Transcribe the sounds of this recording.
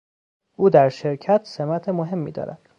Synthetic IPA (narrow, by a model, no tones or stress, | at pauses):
ʔuːd̪æɾʃe̞ɾcʰæt̪ʰsemæt̪ʰemoɦe̞mːḭːd̪ɒ̰ːɾæ̰d̪̥